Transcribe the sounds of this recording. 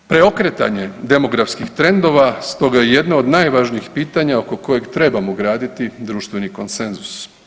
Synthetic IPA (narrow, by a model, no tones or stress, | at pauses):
pɾe̞o̞kɾet̪a̰ɲe̞d̪e̞mo̞ɡɾafskixt̪ɾe̞nd̪o̞ʋast̪o̞ɡajeje̞d̪naod̪naːjʋaʒniixpiːt̪aɲao̞ko̞ko̞je̞ɡt̪ɾe̞bamoɡɾaːd̪it̪id̪ɾuːʃt̪ʋe̞niko̞nse̞nzu̥s